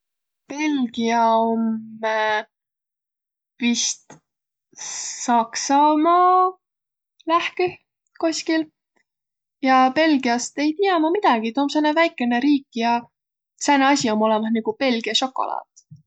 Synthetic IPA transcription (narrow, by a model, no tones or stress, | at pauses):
pe̞lɡ̥iɑo̞mː | pist̪ | sɑksɑmɑː | læhki | kosʲkil | jɑpe̞lɡ̥iɑst̪e̞jt̪iɑmɑmid̪̥ɑɡ̥it̪oːmsenevæjkːˑe̞ne̞ɾiːkːˑjɑ | sæneɑsʲio̞mo̞lemɑsniɡ̥upe̞lɡ̥iɑʃo̞kːo̞̰lʔɑ̰ːt̪